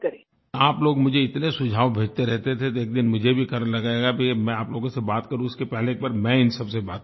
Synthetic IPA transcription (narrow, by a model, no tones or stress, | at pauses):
kɐɾe | aːploːɡmʊd͡ʒʱeɪt̪nesʊd͡ʒʱaːʋbʱeːd͡ʒt̪eɾɛɦt̪et̪ʰet̪oeːk̚d̪ɪnmʊd͡ʒʱebʱikɐɾnlɐɡaːeɡabʱimɛ̃aːploːɡõsebaːt̪kɐɾũɪskepɛɦleːk̚baːɾmɛ̃ɪnsɐbsebaːt̪